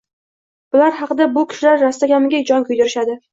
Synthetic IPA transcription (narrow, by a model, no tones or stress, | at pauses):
b̥ʊlaɾɦɑqɨd̪abʊkʲʰɪ̥ʃɪlaɾːast̪aɡʲamɪɡʲad͡ʒɒŋkʰʊjd̪ɪɾɪʃad̪ɪ